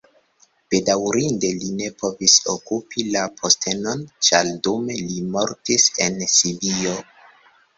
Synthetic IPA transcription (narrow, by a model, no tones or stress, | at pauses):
b̥e̞dawɾinde̞line̞po̞viso̰kupilapʰo̞stʰe̞no̞nt͡ʃaldumelimo̞ɾtise̞nsibio̞